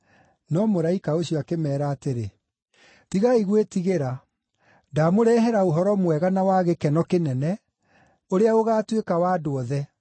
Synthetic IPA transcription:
nɔmoɾaikaoɕjɔakemɛːɾaːteɾe | tiɣaiɣwetiɣeɾa | damoɾɛːɦɛɾaoɦɔɾɔmwɛɣanawaɣekɛnɔkenɛnɛ | oɾeaoɣaːtwekawaːdoɔðɛ

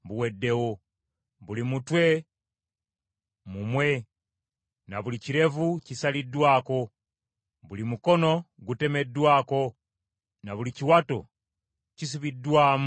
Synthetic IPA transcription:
buwedːe̞wo | βulimutwe | mumwe | naβuliciɾe̞vucisalidwaːko̞ | βulimuko̞no̞ | ɡute̞me̞dwaːko̞ | naβuliciwato | cis̬iβidwaːm

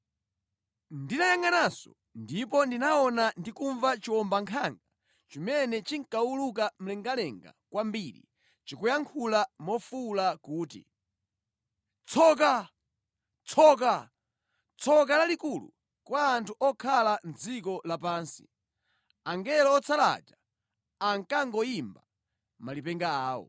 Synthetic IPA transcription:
ndinajaŋanasɔ̰ | ndip̬ɔndinaɔnandikuɱvat͡ʃiwɔmbaŋkʰaŋɡa | t͡ʃimɛnɛt͡ʃiŋkauluk̬am̩lɛŋɡalɛŋɡa̰kwambiɾḭ | t͡ʃikujaŋkʰulamɔfulakuːtḭ | t͡sʰɔk̬a | t͡sʰɔk̬a | t͡sʰɔk̬alalikulṵ | kwaːntʰuʔɔkʰaland͡zikɔlapaːnsi̥ | aŋɡɛlɔːt͡sʰala̰d͡ʒa | aŋkaŋɡɔimba | malipɛŋɡaaːwɔ̰

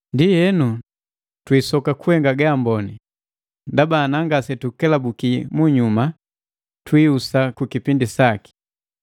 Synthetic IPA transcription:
ndijɛnu | twisɔkakuhɛŋɡaɡaːmbɔni | ndabaːnaŋɡasɛtukɛlabukimuɲuma | twiusakukipindisaki̥

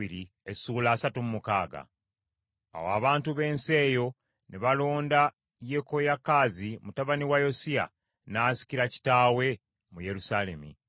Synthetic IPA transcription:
iɾi | esuːlaːsatumumukaːɡa̰ | a̰waːβaːntuβe̞ːnse̞ːjo̞ | neβalo̞ːnda | jeko̞jakːaːzimutaβaniwajo̞sia̰ | naːsi̥ciɾaci̥taːwe̞ | muje̞ɾusale̞mḭ

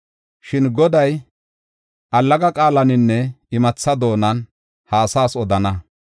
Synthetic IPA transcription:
ʃɪnɡɔd̪ɐj | ʔɐlːɐɡɐkʼaːlɐnɪnːɛɪmɐt͡sːɐd̪o̞ːnɐn | haːsaːsɔd̪ɐnɐ

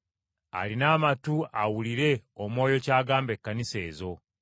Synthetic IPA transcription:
a̰linaːmatuʔawuliɾe̞omwo̞ːjo̞caːɡaːmbe̞kːanise̞ːzo̞

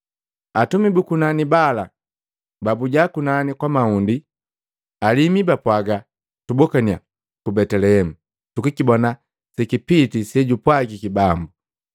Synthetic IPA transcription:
atumibukunanibala | babuɟakunanikwamaundi | alimibapwaɡa | tubɔkania̰ | kubɛtɛlɛhɛmu | tukikibɔna | sɛkipitisɛɟupwaɡikibambu

